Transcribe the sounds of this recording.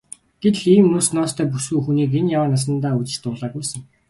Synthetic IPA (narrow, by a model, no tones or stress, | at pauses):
ɡ̥et̪ɮiːmʊːsnɔːst̪ʰæːpusuːxuniːk̬enjawaːnas̬ə̆nt̪aːut͡ɕɪ̥̆ɮt̪ʊːɮaːɡujsə̆ŋ